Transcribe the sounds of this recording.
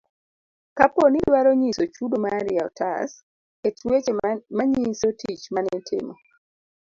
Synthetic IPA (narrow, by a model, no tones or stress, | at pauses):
kapɔnidwaɾoɲisot͡ʃudomaɾiaɔ̰tʰa̰s | etwet͡ʃmaɲisotʰit͡ʃmanɛtʰɪ̰mɔ